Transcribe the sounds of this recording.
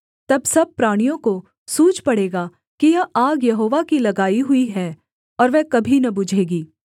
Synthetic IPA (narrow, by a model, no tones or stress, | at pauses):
t̪ɐbsɐb̚pɾaːɽ̃ijõko | suːt͡ʃpɐɽeːɡaː | kijɐaːɡjɐɦoːʋakilɐɡaːiɦʊiɦɛ | ɔːɾʋɛːkɐbʱinɐbʊd͡ʒʱeːɡiː